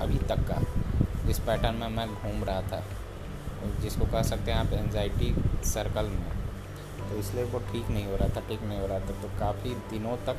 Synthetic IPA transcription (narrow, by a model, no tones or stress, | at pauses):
ɐ̰bʱit̪ɐkːa̰ɪspɛːʈənmẽmɛ̃ɡʱuːmɾɐɦat̪ʰa̰ː | d͡ʒɪskokɐɦsɐk̚t̪eɦɛ̃aːpɛ̃ːnzaːɪʈisɐɾkəlmẽ | t̪oɪslieʋoʈʰiːknɐɦĩɦoːɾaɦat̪ʰaʈʰiːknɐɦĩɦoːɾaɦat̪ʰat̪oːkaːfid̪ɪnõt̪ɐk